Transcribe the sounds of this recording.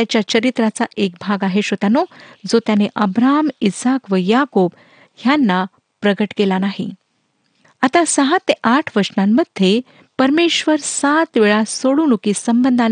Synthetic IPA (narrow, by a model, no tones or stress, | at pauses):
at͡ɕjat͡ɕəɾit̪ɾat͡saʔek̚bʱaɡaɦeɕot̪anod͡zot̪janeʔəbɾamisakʋəjakob | hjanːa | pɾəɡəʈkelanaɦḭ | at̪asəɦat̪eʔaʈʰʋəɾsnamːəd̪ʱje | pəɾmeɕʋəɾsat̪ʋeɭasoɽuːnukisəmbənd̪ʱa